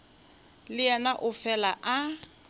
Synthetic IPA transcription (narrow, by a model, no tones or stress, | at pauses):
lɪɛnaʔʊfɛlaʔa